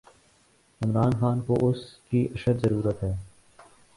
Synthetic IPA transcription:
ɪmɾaːnxaːnkoʔʊskiʔɐʃəd̪zɐɾuːɾət̪ɦɛː

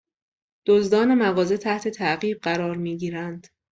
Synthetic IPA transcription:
d̪̥ozd̪ɒːne̞mæɣɒːze̞t̪ʰæht̪ʰe̞t̪ʰæʔɣiːb̚ɢæɾɒːɾmiːɟiːɾænd̪̥

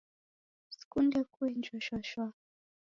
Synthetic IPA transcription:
si̥kundɛkuɛnd͡ʒɔʃwaʃwa

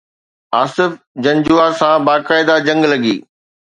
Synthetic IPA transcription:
aːsɪf | d͡ʑɐ̃ɲd͡ʑuasãbaːkaːɪd̪ad͡ʑɐ̃ŋɡlɐɡiː

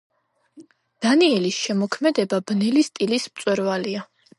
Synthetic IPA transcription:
d̪̥aniɛlisʃɛmɔkʰmɛd̪ɛbabnɛlist̪ʼilismt̪sʼwɛɾvalia

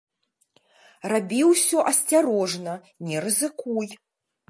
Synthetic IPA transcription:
rabʲiwsʲɔʔɐsʲt͡sʲaɾɔʐnɐ | nʲɛɾɨzɨkuj

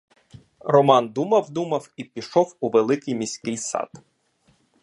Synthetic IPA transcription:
rɔmɑnd̪umɐwd̪umɐwipʲiʃɔwuʋelˠɪkɪjmʲisʲkɪjsɑ̰d̪̥

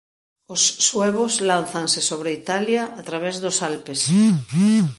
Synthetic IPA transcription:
osːweβoslan̟θansesoβɾeit̪aljaːt̪ɾaβ̞ezðosalpes

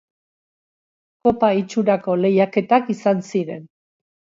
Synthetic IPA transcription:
ko̞pait͡ʃuɾako̞le̞jake̞t̪akisansiɾe̞n

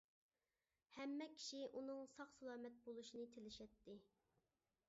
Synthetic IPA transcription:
hɛmːɛkʲʰi̥ʃiʔunɨŋsɑχsɑlˠɑːmɛt̪̚bolˠuʃinɨt̪ʰelɪʃɛt̪ːɪ

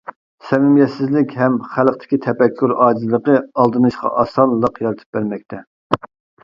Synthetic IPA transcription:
sɛmɪmjɛt̪sɪzlɪkʲɦɛmχælˠq̚t̪ʰɪ̥kʲit̪ʰɛpɛkʲʰːyɾɑːd͡ʒizlˠəqəɑlˠd̪ɨnɨʃqɑ̰ʔɑsɑnlˠːəqjɑlˠɨt̪ʰɨ̥p̚bæɾmɛk̚ʲt̪ʰɛ

